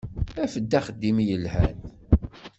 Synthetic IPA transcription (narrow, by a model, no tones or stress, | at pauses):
æfəd̪ːæχəd̪ːimjəlhæn